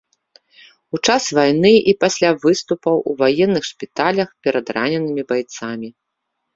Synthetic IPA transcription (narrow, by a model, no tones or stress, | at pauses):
ut͡ʂasvajn̪ɨʔipasʲlʲavɨst̪upɐwuvajɛnːɨxʂpʲit̪alʲɐxpʲɛɾɐd̪ra̰nʲɛnɨmʲibajt̪samʲi